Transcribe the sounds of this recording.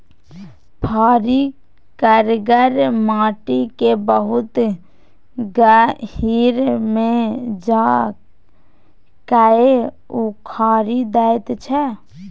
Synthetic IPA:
pʰaːɾi | kəɾɡəɾmãːʈikebəɦʊt̪ | ɡahiːɾmed͡ʒa | kae | ukʰaːɾid̪ajt̪t͡ʃʰɛ

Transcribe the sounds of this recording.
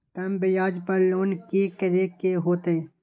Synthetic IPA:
t̪ɐmbejaːd͡ʒpɐɾloːnkekɐɾekeɦoːt̪eɦɛ̃ː

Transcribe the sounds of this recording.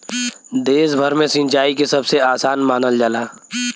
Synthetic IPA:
d̪eːsbʱəɾmẽsɪ̃nt͡ʃaːikesɐbseaːsaːnmaːnəld͡ʒəlaː

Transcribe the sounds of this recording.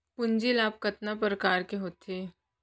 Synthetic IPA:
pʊɲd͡ʒilaːp̚kɐt̪nap̬ɾəkaːɾkeɦoːt̪eː

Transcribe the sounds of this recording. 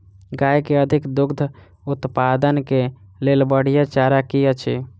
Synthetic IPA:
ɡajkeəd̪ʱikd̪ʊɡd̪ʱə | ʊt̪pad̪ənke | lelbəɽ̤ijat͡ʃaɾakijət͡ʃʰi

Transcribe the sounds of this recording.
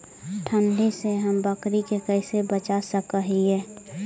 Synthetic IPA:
ʈʰənɖʱiseɦəmbəkɾikekəɪsebət͡ʃasəkəɦiɛː

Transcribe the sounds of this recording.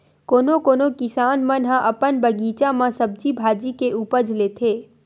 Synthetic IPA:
koːnokoːnokɪsaːnmə̃nɦãʔɐpənbəɡiːt͡ʃamãsəb̚d͡ʒibʱaːd͡ʒikeʔuːpəd͡ʒleːt̪ʰeː

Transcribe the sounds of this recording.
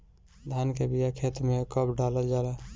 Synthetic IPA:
d̪ʱankebijakʰet̪mekəbɖaləd͡ʒala

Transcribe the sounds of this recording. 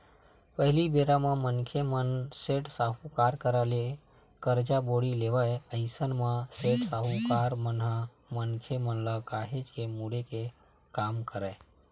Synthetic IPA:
pəɦlibeɾamãmənkʰemənseʈsaɦukaɾkəɾale | kəɾd͡ʒaboɽileʋəəɪsənmãseʈsaɦukaɾmənɦa | mənkʰemənləkaɦed͡ʒkemuɽeke | kamkəɾə

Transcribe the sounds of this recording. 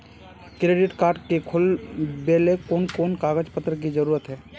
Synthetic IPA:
kɾeːɖɪʈkaːɾɖkekʰʊlbeːlekoːnkoːnkaːɡəd͡ʒpət̪ɾək̬id͡ʒəɾuːɾət̪ɦɛː

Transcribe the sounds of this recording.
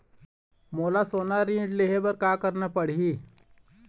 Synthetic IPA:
molasonaɾiɖleɦebəɾkakəɾnəpəɽɦi

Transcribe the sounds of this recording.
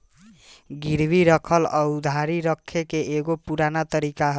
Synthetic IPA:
ɡiɾbiɾəkʰələud̪ʱaɾiɾəkʰːekeeɡopuɾanat̪əɾikaɦ

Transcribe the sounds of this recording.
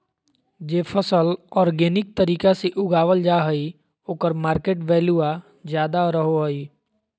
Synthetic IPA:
d͡ʒeːpʰəsəlɔːɾɡeːnɪk̚t̪əɾiːkaseʔʊɡaːʋəld͡ʒaːɦəi | oːkəɾmaːɾkeːʈʋɛːlua | d͡ʒjaːd̪aɾəɦoɦəiː

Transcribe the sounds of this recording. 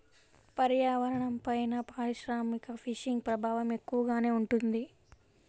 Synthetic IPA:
pɐɾjaːʋɐɾɐɳɐmpɐjnɐpaːɾiʃɾaːmikɐpʰiʃiŋɡ̚pɾɐbʱaːʋɐme̞kːuʋɐɡaːne̞ːuɳʈund̪i

